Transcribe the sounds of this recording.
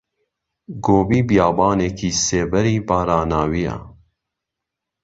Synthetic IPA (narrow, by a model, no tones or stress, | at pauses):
ɡoːbiːbjaːbaːnekʰiːseːbɛɾiːbɑːɾaːnaːwija̰